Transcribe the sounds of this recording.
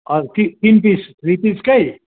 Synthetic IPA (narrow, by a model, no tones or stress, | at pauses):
ɔːɾt̪it̪inpist̪ʰɾiːpiːskɐi